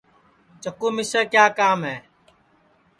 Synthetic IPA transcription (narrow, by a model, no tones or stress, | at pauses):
t͡ʃəkuːmɪsəːkjaːkaːmɦɛː